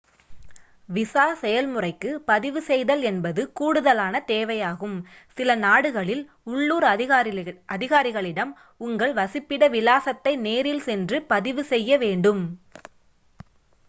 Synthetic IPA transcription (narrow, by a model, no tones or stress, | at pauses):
ʋɪsaːsɛjɐlmɯrɐɪkːɯpɐðɪʋɯsɛjðɐlɛnbɐðɯkuːɽɯðɐlaːnɐt̪eːʋɐjaːɣɯm | sɪlɐnaːɽɯɣɐɭɪl | ʊɭːuːɾ | ʔɐðɪɣaːɾɪɣɐɭɪɽɐm | ʊŋɡɐɭʋɐsɪpːɪɽɐʋɪlaːsɐt̪ːɐɪneːɾɪlsɛndrɯpɐðɪʋɯsɛjːɐʋeːɳɖɯm